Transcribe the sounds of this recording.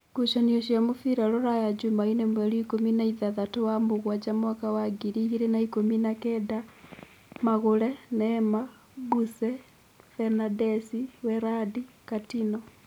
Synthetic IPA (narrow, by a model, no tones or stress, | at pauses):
kuʃanioʃ̬amofiɾaloɾajad͡ʒumainemwɛluikominaiðaðatowamoɣwad͡ʒamwakawaɡiɾiɣiɾenaikominakɛda | maɣolɛnɛma | busɛ | fɛnadɛsiwɛɾadi | katinɔ